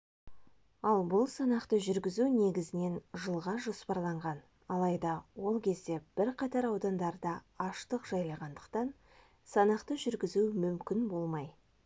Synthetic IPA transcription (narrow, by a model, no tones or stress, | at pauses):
ɑlˠbʊlˠsɑnɑqt̪əʒʏɾɡʲɪzuwne̞ɡʲɪzɪne̞nʒəlˠʁɑʒo̞spɑɾlˠɑɴʁɑn | ɑlˠɑjd̪ɑwo̞lˠkʲʰe̞zd̪e̞b̥ɪɾqʰɑt̪ɑɾɑwd̪ɑnd̪ɑɾd̪ɑ | ɑʃt̪əqʒ̥ɑjlˠɑʁɑnd̪əqt̪ɑn | sɑnɑqt̪əʒʏɾɡʲɪzumʏmkʲɪnbo̞lˠmɑj